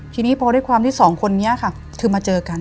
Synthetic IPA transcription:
t̪ʰiː˧niː˦˥pʰɔː˧ɾu˥˩jkʰwaː˧mt̪ʰiː˥˩sɔː˩˦ŋkʰo˧nːiː˦˥ɐ˨˩kʰa˥˩ | k̪ʰɯː˧maː˧t͡ɕɤː˧ka˧n

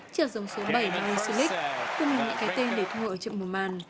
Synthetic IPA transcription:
t͡ɕəː˧˩zə˨˦wŋ͡mso˨˦ɓə˧˩jm˨˧˩ŋə˧˩sɨ˧lï˦˥k̚k̪ʊ˧mɨ˨˩ɲɨ̰˧˥ŋkaː˨˦jt̪e˧nɗe˧˩t̪ʰu˧˨ə˨˧˩t͡ɕə̰˧˨mu˨˩maː˨˩n

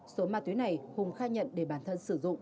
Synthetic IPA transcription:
so˨˦maː˨˩t̪wi˨˦na˨˩jhʊ˨˩ŋ͡mxaː˧ɲə̰˧˨nɗe˧˩ɓaː˧˩nt̪ʰə˧nsɨ˧˩zʊ̰˧˨ŋ͡m

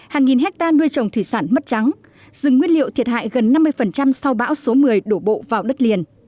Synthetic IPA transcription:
haː˨˩ŋːi˨˩nɦɛ˦˥k̚t̪aː˧nu˧əjt͡ɕə˨˩wŋ͡mt̪ʰwi˧˩saː˧˩nmə˦˥t̚t͡ɕa˨˦ŋ | z̥ɨ˨˩ŋːwi˧ənlḭ˧˨əwt̪ʰi˨˩ət̚ha̰ː˧˨jɣə˨˩nːa˧mːɨ˧əjfə˨˩nt͡ɕa˧msa˧wɓa̰ː˧˥wso˨˦mɨ˨˩əjɗo˧˩ɓo̰˧˨vaː˨˩wɗə˦˥t̚li˨˩ən

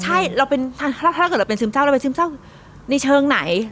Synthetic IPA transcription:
t͡ɕʰa˥˩jɾa˧wpe˧nt̪ʰa˥˩˧ɤː˨˩˧pe˧nsɯː˧˥˩msa˥˩wɾnsɯː˧˥˩msa˥˩w | na˧jt͡ɕʰɤː˧ŋna˩˦j

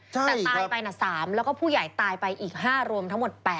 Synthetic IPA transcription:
t͡ɕʰat̪ɛː˨˩t̪aː˧jpa˧jna˨˩saː˩˦mlɛː˦˥wkɔː˥˩pʰuː˥˩ja˨˩jt̪aː˧jpa˧jʔiː˨˩k̚ɦaː˥˩ɾu˧əmt̪ʰa˦˥ŋmo˨˩t̪̚pɛː˨˩

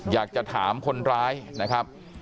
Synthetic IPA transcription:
jaː˨˩k̚t͡ɕa˨˩t̪ʰaː˩˦mkʰo˧nɾaː˦˥jna˦˥kʰa˦˥p̚

